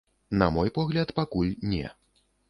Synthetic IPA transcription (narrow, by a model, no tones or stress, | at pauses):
nɐ̰mɔjpɔɣlʲɐt̪pakulʲnʲɛ̰